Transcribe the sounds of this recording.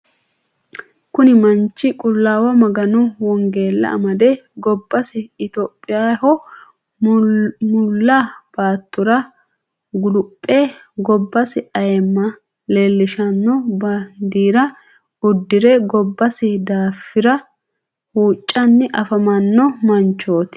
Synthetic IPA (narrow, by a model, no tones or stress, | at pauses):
kʊnɪmɐnt͡ʃːɪkʼʊlːaːwɐmɐɡɐnʊwɔŋɡe̞ːlːɐ̰ʔɐ̰mɐd̪eɡɔbːɐsɪɪt̪oːpʼːɪjaːhɔ | mʊlːaːb̥aːt̪ːʊɾɐ | ɡʊlʊpʼːeː | ɡɔbːɐsɪʔɐjɛmːɐ | lelːɪʃɐnːɔbɐnd̪iːɾɐ | ʊd̪ːɪɾɛɡɔbːɐsɪd̪aːfːɪɾɐ | huːt͡ʃʼːɐnːɪʔɐfɐmɐnːɔmɐnt͡ʃːo̞ːt̪ɪ̥